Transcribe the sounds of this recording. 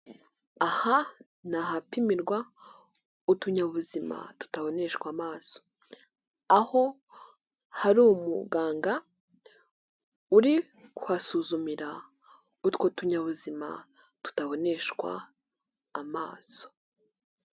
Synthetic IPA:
aha | naɦapimiɾɡwa | utuɲaβuzima̰tu̥taβo̞ne̞ʃkwaːmaːz̥o̥ | aho̞ | haɾuːmṵɡaːŋɡa | uɾi | kwasuzumiɾa | utkotuɲaβuzima̰ | tu̥taβo̞ne̞ʃwa̰ː | ma̰ːzo̥

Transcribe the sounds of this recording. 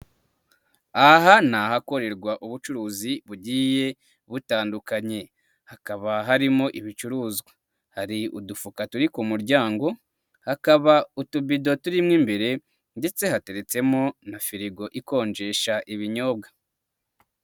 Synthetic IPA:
aɦanahako̞ɾe̞ɾɡwaʔuβut͡ʃuɾuːziβuɟiːje̞ | βutaːndukaɲe̞ | hakaβaɦaɾimoʔiβit͡ʃuɾuːzɡa | haɾiṵdufukatuɾikumuɾɟaːŋɡo̞ | hakaβautubido̞tuɾimŋiːmbe̞ɾe̞ | nde̞t͡se̞hate̞ɾe̞t͡se̞monafiɾiɡo̞ʔiko̞ːɲd͡ʒe̞ːʃaʔiβiɲo̞ːbɡa

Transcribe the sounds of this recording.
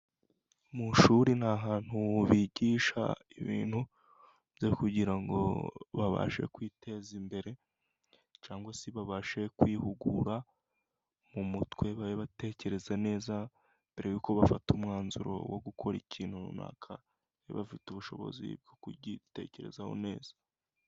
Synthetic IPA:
muʃuɾin̥haɦaːn̥huβiɟiʃa̰iβḭːn̥hu | βɟekuɟiɾaŋɡo̞̰βaβa̰ʃe̞̰kwiːtʰe̞zimbe̞ɾe̞ | t͡ʃaːŋɡwasiβaβaʃe̞kwiːhuɡṵɾa | mumutwe̞βaɾeβate̞ce̞ɾe̞zane̞ːza | mb̥e̞ɾejuːko̞βafatumŋaːnzuɾo̞̰woɡukʰo̞ɾiciːn̥hunṵna̰kʰa | ḛβafituβuʃo̞̰βo̞̰zḭb̚ɡo̞kuɟite̞̰ce̞ɾe̞̰zaho̞̰ne̞ːz̥ḁ

